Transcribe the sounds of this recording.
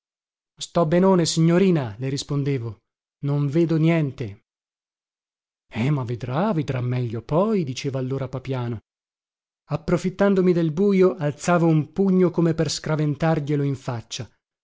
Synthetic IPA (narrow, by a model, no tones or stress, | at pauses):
st̪ɔbenoːnesiɲːoɾiːnaleɾispond̪eːvo | noɱveːd̪onjɛnt̪e | ɛmavːed̪ɾaved̪ɾa̰mːɛʎːopɔjd̪it͡ʃeːvaːlːoːɾapapjaːno | apːɾofit̪ːand̪omid̪elbuːjoʔalt̪saːvoumpuɲːokomeperskɾavent̪arʎeloiɱfat͡ʃːa